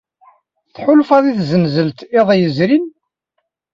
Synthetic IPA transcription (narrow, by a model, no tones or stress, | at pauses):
θħʊlfɑðˤiθzənzəlt̪ɪðˤjəzɾin